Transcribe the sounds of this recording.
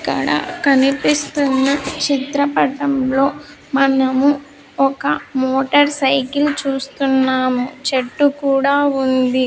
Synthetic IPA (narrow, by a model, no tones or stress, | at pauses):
kːɐ̰ɽɐ̰kɐnipist̪unːɐt͡ʃit̪ɾɐpɐʈɐmlo̞ː | mɐnɐmu | ɔkɐmoːʈɐɾsɐjkilt͡ʃuːst̪unːaːmut͡ʃeʈːukuːɽaːund̪i